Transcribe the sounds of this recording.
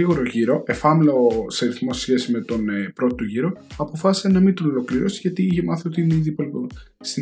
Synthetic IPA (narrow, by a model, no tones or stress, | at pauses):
iɣoɾoʝiɾo̞ʔe̞fɐmloseɐɾiθmosesçe̞sime̞t̪o̞nepɾo̞t̪t̪oʝiɾo̞ɐpo̞fɐsi̥senɐmint̪onolo̞kliɾo̞si̥ʝɐt̪iiçemɐθio̞t̪iineiðipolo | st̪i